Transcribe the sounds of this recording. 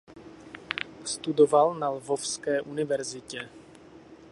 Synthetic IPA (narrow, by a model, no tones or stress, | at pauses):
st̪udovalnalvofskɛːʔunɪvɛɾzɪcɛ